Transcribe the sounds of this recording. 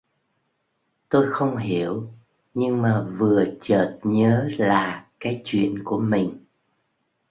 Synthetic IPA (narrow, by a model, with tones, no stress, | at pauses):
t̪o˧jxə˧wŋ͡mɦi˧˩əw | ɲɨ˧ŋmaː˨˩vɨ˨˩ət͡ɕəː˨˩t̚ɲəː˨˦laː˨˩kaː˨˦jt͡ɕwḭ˧˨ənku˧˩əmï˨˩ŋ̟